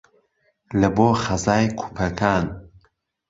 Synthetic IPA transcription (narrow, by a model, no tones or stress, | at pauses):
lɐboːχɐzaːjkʰu̥pʰɐkʰaːn